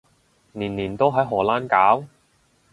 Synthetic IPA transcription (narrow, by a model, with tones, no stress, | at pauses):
niː˨˩nːiː˨˩nt̪o˥wɦɐ˨˥jɦɔː˨˩laː˥nkaː˨˥w